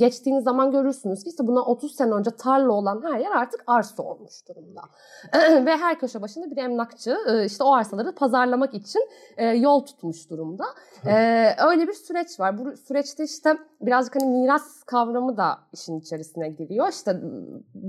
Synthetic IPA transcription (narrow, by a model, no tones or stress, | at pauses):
ɟɛt͡ʃt̪ʰiːnizːamanɟø̞ɾyɾsynyz̥cʰiisɛbunao̞t̪ʰuzsenɛø̞nd͡ʒɛt̪ʰaɾlˠɯo̞lˠanɦæɾjæɾaɾt̪ʰɯ̥kaɾso̞̰lˠmuʃd̪uɾumd̪a̰ | vɛɦæɾcʰø̞ʃabaʃɯnd̪abiɾɛmnakt͡ʃʰɯɯːiʃt̪ʰɛo̞aɾsalˠaɾɯpʰazaɾlˠamakit͡ʃʰin | ɛːjo̞lˠt̪ʰu̥t̪muʃd̪uɾumd̪a | ɛːø̞jlʲebiɾsyɾɛt͡ʃvaɾbusyɾɛt͡ʃt̪ʰɛiʃt̪ʰɛbiɾazd͡ʒɯkhanimiɾaskʰavɾamɯd̪aiʃinit͡ʃʰe̞ɾisinɛɟiɾijo̞iʃt̪ʰɛ